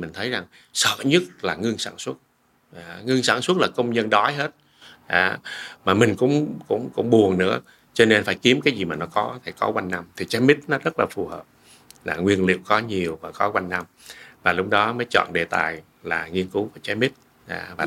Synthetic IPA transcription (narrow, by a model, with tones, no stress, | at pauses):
mï˨˩ŋ̟t̪ʰə˨˦jza˨˩ŋ | sə̰˧˨ɲɨ˦˥t̚laː˨˩ŋɨ˧ənsaː˧˩nswə˦˥t̚ | ʔaː˧˨ŋɨ˧əŋsaː˧˩nswə˦˥t̚laː˨˩kə˧wŋ͡mɲə˧nɗɔ˨˦jɦe˦˥t̚ | ʔaː˧˩maː˨˩mï˨˩ŋ̟kʊ̰˧˥ŋ͡mkʊ̰˧˥ŋ͡mkʊ̰˧˥ŋ͡mɓu˨˩əŋnɨ̰˧˥ə | t͡ɕɔ˧ne˧nfaː˧˩jki˨˦əmkaː˨˦jzi˨˩maː˨˩nɔ˨˦kɔ˨˦t̪ʰi˨˩kɔ˨˦kwa˧jŋ̟na˧mt̪ʰi˨˩t͡ɕaː˨˦jmi˦˥t̚nɔ˨˦zə˦˥t̚laː˨˩fu˨˩həː˨˩p̚ | laː˨˩ŋwi˧ənlḭ˧˨əwkɔ˨˦ɲi˨˩əwvaː˨˩kɔ˨˦kwa˧jŋ̟na˧mvaː˨˩lʊ˦˥k͡p̚ɗɔ˨˦məː˨˦jt͡ɕɔ̰˧˨nɗe˨˩t̪a̰ː˨˩j | laː˨˩ŋi˧ənku˨˦vaː˨˩t͡ɕaː˨˦jmi˦˥t̚ | ʔa̰ː˧˩vaː˨˩